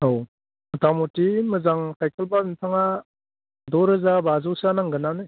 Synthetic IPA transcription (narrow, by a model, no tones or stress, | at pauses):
ɦow | tamɔtimɯzaŋkʰajkʰelbantʰaŋa | dɔɾɯzabazɯwsanaŋɡɯnanɯ